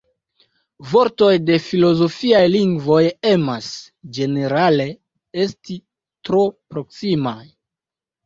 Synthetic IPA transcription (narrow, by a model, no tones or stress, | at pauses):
vo̞ɾto̞jde̞filo̞zo̞fiajliŋɡvo̞jemas | d͡ʒe̞ne̞ɾale̞ | e̞sti | tɾo̞pɾo̞ksimaj